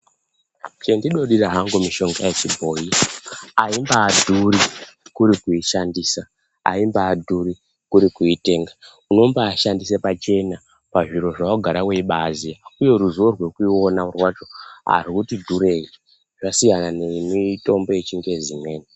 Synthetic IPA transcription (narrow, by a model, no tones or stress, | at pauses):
t͡ʃe̞ndiɗo̞ɗiraɦaŋɡomiʃo̞ŋɡajet͡ʃibʱo̞jiaimbaːdʱurikuɾikuiʃandiːsa | a̰imbaːdʱuri | kuɾikuite̞ːŋɡa | uno̞mbaːʃandisepat͡ʃe̞na | paʐiɾo̞ʐawoɡʱaɾaweiɓaːziauje̞ruzorwe̞kuo̞naurwat͡ʃo̞ɦa̰rikutidʱuɾe̞i | ʐasijanane̞mito̞mbo̞et͡ʃiŋɡe̞zimwe̞ːni